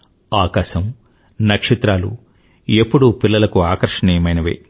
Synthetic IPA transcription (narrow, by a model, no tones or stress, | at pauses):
aːkaːʃɐm | nɐkʂit̪ɾaːlṵ | e̞pːuɽupilːɐlɐkuaːkɐɾʂɐɳiːjɐmɐjnɐʋḛ